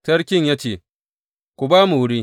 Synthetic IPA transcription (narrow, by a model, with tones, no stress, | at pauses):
tɐ˦ɽkʲɪ˦ɲjaː˦t͡ʃeː˨ | kʷu˨baː˦mu˨wʊ˦ɽiː˦